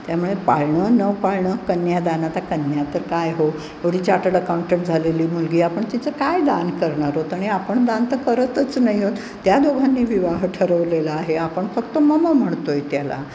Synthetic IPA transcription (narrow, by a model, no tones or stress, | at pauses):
t̪jamuɭepaɭɳənəʋpaɭɳəkənjad̪anat̪akənjat̪əɾkajɦo | əɽiːt͡ɕaʈələkawɳʈep̚ʈ̚d͡zʱaleliːmulɡiːapəɳt̪it͡səkajd̪ankəɾɳaɾɦot̪aɽ̃iapəɳd̪ant̪əkəɾət̪ət͡snajɦot̪ | t̪jad̪oɡʱanːiːʋiʋaɦʈʰəɾəʋleləaɦeapəɳfəkt̪oməməm̤əɳt̪ojt̪jala̰